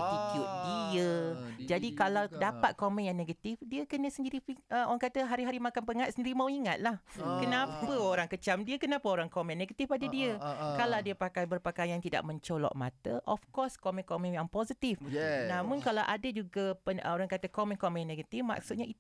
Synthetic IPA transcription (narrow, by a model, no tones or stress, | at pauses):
t̪ikjʊʔ̚diəd͡ʒadikalawdapat̪̚komɛ̃njaŋneɡat̪ifdiəkənəsəndiɾiiəo̰ɾaŋkat̪əɦaɾiɦaɾimakanpəŋat̪səndiɾimãwiŋat̪̚lahkənapəoɾaŋkət͡ʃamdiəkənapəoɾaŋkomɛ̃nẽɡat̪ifadadiəkalawdiəpakajbərpəkajajant̪ida̰ʔ̚mə̃ɲt͡ʃolɔ̰ʔma̰t̪əʔɔfkɔskomɛ̃nkomɛ̃njaŋposit̪ifnamʊnkalawʔadad͡ʒuɡapəəoɾaŋkat̪əkomɛnkomɛnanẽɡat̪ifma̰ksut̪̚ɲai